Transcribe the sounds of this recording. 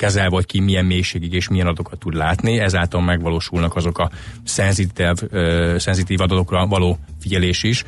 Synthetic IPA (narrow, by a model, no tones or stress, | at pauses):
kɛzɛlvɒckimijɛmmeːjʃeːɡiɡeːʃmijɛnɒd̪o̞kɒt̪ːud̪laːt̪niɛzaːlt̪ɒlmɛɡʋɒloːʃulnɒkɒzo̞kɒsɛnzit̪ɛvsɛnzit̪iːvɒd̪ɒt̪o̞krɒvɒloːfiɟɛleːʃiʃ